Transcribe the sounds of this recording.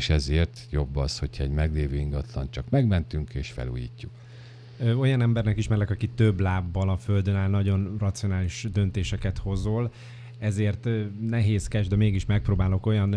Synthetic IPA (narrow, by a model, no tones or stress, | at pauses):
ʃɛzeːrt̪jo̞bːɒsho̞cʰhɒɛɟmɛɡleːvøːiŋɡɒt̪lɒnt͡ʃɒkmɛɡmɛnt̪yŋkeːʃfɛ̰lṵːjḭːcːukː | o̞jɒnɛmbɛrnɛkiʃmɛrlɛkɒkit̪ːøblaːbːɒlɒføld̪ønaːlnɒɟo̞nrɒt̪sijo̞naːliʃd̪ø̞nt̪eːʃɛkɛt̪hozol | ɛzeːrt̪nɛɦeːskɛʒd̪ɛmeːɡiʃmɛk̚proːbaːlo̞ko̞jɒn